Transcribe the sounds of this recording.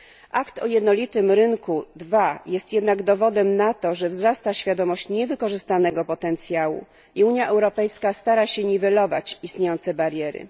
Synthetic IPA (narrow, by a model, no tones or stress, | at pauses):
ʔakt̪ɔjɛd̪nɔlʲit̪ɘmɾɘŋkud̪vajɛst̪jɛd̪naɡd̪ɔvɔd̪ɛmnat̪ɔʐɛvzɾast̪aɕfʲjad̪ɔmɔɕt͡ɕɲɛvɘkɔʐɘst̪anɛɡɔpɔt̪ɛnt̪sʲjawṵ | iuɲjaʔɛwɾɔpɛjskast̪aɾaɕɛɲivɛlɔva̰t͡ɕist̪ɲʲejɔnt̪sɛbaɾjɛɾɘ̰